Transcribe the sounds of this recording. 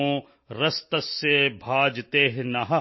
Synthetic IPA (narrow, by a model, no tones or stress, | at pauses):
õː | ɾɐst̪ɐsːebʱaːd͡ʒt̪eːɦnɐɦɐ